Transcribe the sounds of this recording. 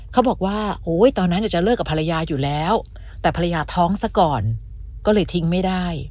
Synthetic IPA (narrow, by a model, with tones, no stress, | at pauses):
kʰa˦˥wbɔː˨˩k̚waː˥˩ʔoː˦˥jt̪ɔː˧nːa˦˥nʔa˨˩t͡ɕa˨˩lɤː˥˩kːa˨˩pʰa˧la˧jaː˧juː˨˩lɛː˦˥w | t̪ɛː˨˩pʰa˧la˧jaː˧t̪ʰɔː˦˥ŋsa˥˩kɔː˨˩n | kɔː˥˩lɤː˧jt̪ʰi˦˥ŋma˥˩jda˥˩j